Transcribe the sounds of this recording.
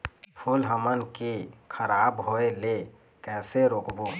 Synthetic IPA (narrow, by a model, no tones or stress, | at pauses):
pʰulɦəmənkikʰəɾabɦoele | kɛːseɾoːkbo